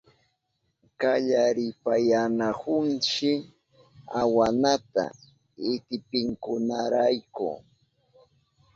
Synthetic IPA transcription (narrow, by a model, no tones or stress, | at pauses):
kaʎaɾɪpajanahʊnt͡ʃɪ | awanat̪a̰ | ɪt̪ɪpɪŋkʊnaɾajkʊ̰